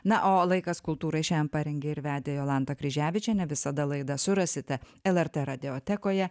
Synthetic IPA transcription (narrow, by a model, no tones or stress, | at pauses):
nɐʔoːlˠɐɪkɐskʊlˠt̪uːɾɐɪʃʲɛːjɛmpɑɾʲɛŋʲɡʲeɪɾʋʲæːd̪ʲejoːlˠɐnt̪ɐkɾʲɪʒʲæːʋʲɪt͡ʃʲɛnʲɛʋʲɪsɐd̪ɐlˠɐɪd̪ɐsʊɾɐsʲɪt̪ʲɛ | ɛlˠɛɾt̪ɛɾɐd̪ʲɪoːt̪ʲɛkoːjɛ